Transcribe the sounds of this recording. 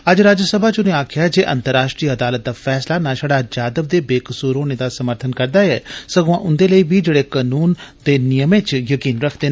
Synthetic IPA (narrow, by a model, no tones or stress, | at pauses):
əd͡ʒɾaːd͡ʒəsəbʱaːt͡ʃʊnẽːaːkʰɪjaːd͡ʒeːʔə̰nt̪əɾːaːʃʈɾiːəd̪aːlət̪̚d̪aːfʰɛːslaːnãːʃaɽaːd͡ʒaːd̪əb̚d̪eːbeːkəsuːɾõːneːd̪aːsəməɾt̪ʰənkəɾd̪aːɛːsəɡõãːʔʊnd̪eːləiːbiːd͡ʒeːɽeːkanuːnd̪eːnɪjəmẽːt͡ʃjəkiːnɾəkʰd̪eː